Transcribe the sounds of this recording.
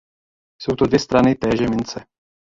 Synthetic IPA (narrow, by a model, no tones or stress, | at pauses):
sowt̪odvjɛst̪ɾanɪt̪ɛːʒɛmɪnt͡sɛ